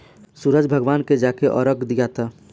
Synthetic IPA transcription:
suɾəd͡ʒbʱəɡʋaːnked͡ʒaːkeʔɔ̰ːɾəkd̪ijat̪ʰaː

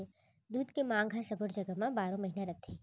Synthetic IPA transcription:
e | d̪uːd̪kemãːŋɡʱasɐbəɾd͡ʒəɡəmãbaːɾõmɐɦinaɾɐt̪ʰeː

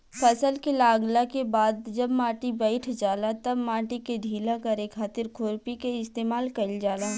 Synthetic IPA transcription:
pʰɐsəlkelaːɡlakebaːd̪d͡ʒɐbmãːʈibɛːɪʈʰd͡ʒaːlat̪ɐbmãːʈiked̪ʱiːlãkɐɾekʰaːt̪ɪɾkʰoːɾpikeɪst̪eːmaːlkɐld͡ʒaːlaː

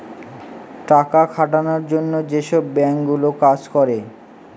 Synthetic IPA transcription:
ʈakakʰaʈanoɾd͡ʑonːod͡ʑeʃɔbːɛŋkɡulokad͡ʑkɔɾe

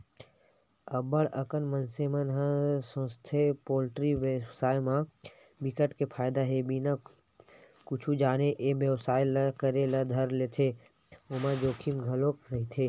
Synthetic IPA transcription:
əbəɽəkənmənsemənɦãsõst̪ʰepoːlʈɾiʋəsaːjmã | bɪkəʈkepʰaːjd̪aɦebina | kʊt͡ʃʰud͡ʒaːneʔebjəwsaːjləkəɾelɐd̪ʱəɾleːt̪ʰe | ʊmãd͡ʒoːkʰimɡʱəlokɾɐɦit̪ʰeː

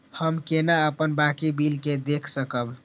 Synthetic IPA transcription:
həmkenaəpənbakibilked̪ekʰsəkəb

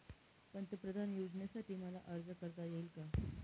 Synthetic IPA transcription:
pəɳt̪epɾəd̪ʱanjud͡zɳjasaʈʰiːməla̰ʔəɾd͡zəkəɾt̪ajeilka

